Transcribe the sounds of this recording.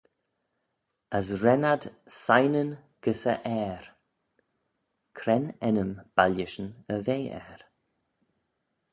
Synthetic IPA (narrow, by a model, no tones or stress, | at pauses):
əsɾɛnad̪sajnən | ɡ̥əsə̰ʔɛːɾ | kʰɾɛnɛnəmb̥alɪʃənəveːɛ̰ːɾ